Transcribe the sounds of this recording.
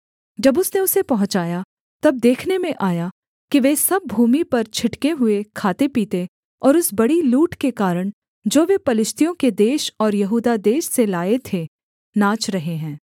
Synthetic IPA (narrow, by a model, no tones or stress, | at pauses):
d͡ʒɐbʊsneʊsepɐɦʊ̃t͡ʃaːja | t̪ɐb̚d̪eːkʰnemẽʔaːja | kiʋesɐb̚ːʱuːmipɐɾt͡ʃʰɪʈkeɦʊekʰaːt̪epiːt̪e | ɔːɾʊsbɐɽiluːʈkekaːɾəɽ̃ | d͡ʒoːʋepɐlɪʃt̪ʰijõked̪eːʃɔːɾjɐɦuːd̪ad̪eːʃselaːet̪ʰe | nãːt͡ʃɾɐɦeɦɛ̃ː